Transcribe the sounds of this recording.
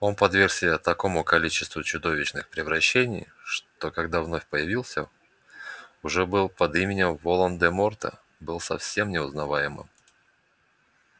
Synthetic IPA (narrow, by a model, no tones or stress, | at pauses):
o̞npɐd̪vʲersʲɪbʲat̪ɐko̞mʊkɐlʲit͡ɕɪ̥st̪vʊt͡ɕʊd̪o̞vʲɪt͡ɕnɨxpɾʲɪvɾɐɕːenʲɪj | ʂt̪o̞kɐɡ̚d̪avno̞fʲpəjɪvʲilˠsʲə | ʊʐɛbɨlˠpɐd̪imʲɪnʲɪmvolˠənd̪ɛmo̞rt̪ə̰ | bɨlˠsɐ̰fsʲe̞mnʲɪʊznɐvajɪmɨ̰m